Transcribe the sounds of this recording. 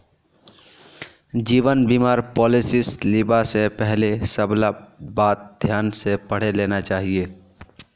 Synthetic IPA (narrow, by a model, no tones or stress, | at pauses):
d͡ʒiːʋənbimaːɾpɔlɪsɪslibasepɛɦlesəblabaːt̪̚d̪ʱjaːnsepəɽ̤elenat͡ʃaːɦie